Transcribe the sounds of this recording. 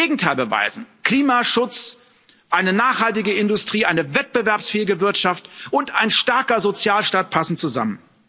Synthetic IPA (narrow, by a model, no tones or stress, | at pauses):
eːɡŋ̩tʰaɪlbəva̰ɪzn̩kl̥iːmaʃʊt͡s | ʔaɪnənaːχhaltɪɡəɪndʊstʁ̥iːʔaɪnəvɛt̚b̥əvɛɐpsfeːɪɡəvɪɐtʃaftʔʊntaɪnʃtaɐkɐzot͡sjaːlʃtaːt̚pʰasn̩t͡suza̰mən